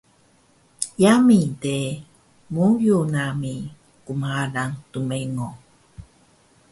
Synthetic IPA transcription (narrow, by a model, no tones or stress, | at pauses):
jamide | mujunami | kumaalaŋtumeŋo